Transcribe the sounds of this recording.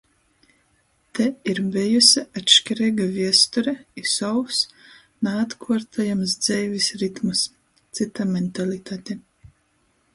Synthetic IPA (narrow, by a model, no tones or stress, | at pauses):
t̪ɛiɾbɛjusʲiat̪ʃkʲɛɾɛːɡaviɛst̪uɾɛisɔws | naːt̪kʰuɔɾt̪ʰajams̬d̪z̥ɛjvʲisɾit̪mɨs | t̪sit̪amɛnt̪alit̪aːt̪ʲe